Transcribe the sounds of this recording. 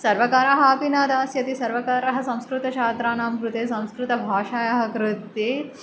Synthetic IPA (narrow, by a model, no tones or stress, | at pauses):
sɐɾʋɐkaːɾɐɦaːpinaːd̪aːsjɐt̪isɐɾʋɐkaːɾɐɦɐsɐ̃w̃skɾut̪ɐʃʰaːt̪ɾaːnaːmkɾut̪eːsɐ̃w̃skɾut̪ɐbʱaːʃaːjɐɦɐkɾut̪eː